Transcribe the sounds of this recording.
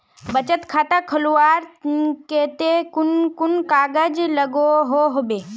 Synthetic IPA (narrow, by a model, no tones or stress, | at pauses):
bɐt͡ʃət̪kʰaːt̪akʰɐluaːɾkeːt̪ekʊnkʊnkaːɡəd͡ʒləɡoɦoɦobeː